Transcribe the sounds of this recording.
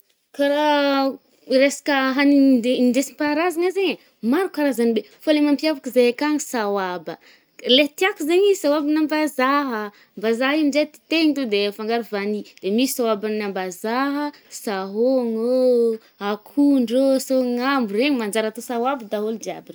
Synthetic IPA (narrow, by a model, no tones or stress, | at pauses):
kaɾa | ɾesḁkəɦaniedesimpaɾazaŋazeɲə | maɾukaɾazanibe | folemampiavakizeakaŋisawabə | let̪iakuzeɲisawabinambazaɦə | mbazaɦimzet̪i̥t̪eɲit̪od̪efaŋɡaɾivanid̪̥emisi̥sawabannambazaɦəsaɦoŋo | akʰuɳɖ͡ʐosoŋambureɲimand͡ʒaɾat̪osawabəd̪aɦold̪ia̰bir